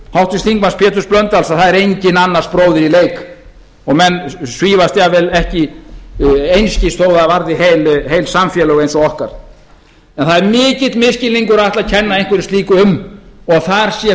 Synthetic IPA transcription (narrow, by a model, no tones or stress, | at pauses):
hawht̪ɪst̪iŋkmanspʰjɛːt̪ʏsplœnt̪alsaðθaðɛɾejɲcɪnanːar̥spɾoːwðɪɾileːjk | ɔɣmɛnːsviːvast̪jaːvɛlɛhcɪ | ejnscɪst̪ʰowðaːvaɾðɪhejlɦejlsamfjɛlœɣejnθawɔhkaɾ̥ | ɛnθaðɛɾmɪːcɪt̪mɪscɪliŋkʏɾaaht̪laðcʰɛnːaejnkvɛɾɪst̪liːkʏʏmɔɣaθaɾ̥sjɛ